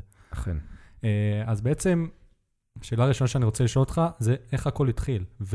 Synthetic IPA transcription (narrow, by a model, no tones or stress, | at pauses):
χineazbeet͡se̞m | ʃe̞ːlaːʁiʃo̞naʃeaniʁot͡seliʃo̞lot̪χaze̞e̞χhako̞lit̪χilv